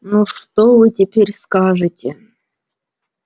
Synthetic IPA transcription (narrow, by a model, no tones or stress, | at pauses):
nuʂt̪ovɨtʲepʲeɾʲskaʐɨtʲe